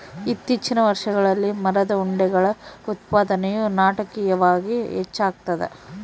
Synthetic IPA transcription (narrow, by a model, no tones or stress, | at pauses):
it̪ːit͡ʃːinɐʋɐɾʂɐɡɐɭɐlːimɐɾɐd̪ɐuɳɖɛɡɐɭɐut̪̚paːd̪ɐnɛjunaːʈɐkijɐʋaːɡiɦɛt͡ʃːaːɡ̚t̪ɐd̪ḛ